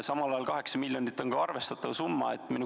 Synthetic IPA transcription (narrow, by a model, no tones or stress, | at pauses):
sɑmɑlɑjɑlkɑɦe̞ksɑmilʲjɑnit̪ːˑo̞nɡɑɑrve̞st̪ɑt̪ːˑɑvsumːɑ̰ḛt̪ːˑminu